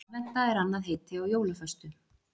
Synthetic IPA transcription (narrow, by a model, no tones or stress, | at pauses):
lɛn̥t̪aɛɾanːaðɦeːt̪ɪawjoːwlʏfœst̪ʏ